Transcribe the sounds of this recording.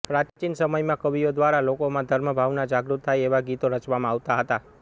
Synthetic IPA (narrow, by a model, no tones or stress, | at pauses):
pɾat͡ʃt͡ʃinsəməjmãkəʋijod̪ʋaɾalokomãd̪ʱəɾməbʱaʋnad͡ʒaɡɾut̪ʰːajeʋaɡit̪oɾət͡ʃʋamãaʋt̪aɦət̪a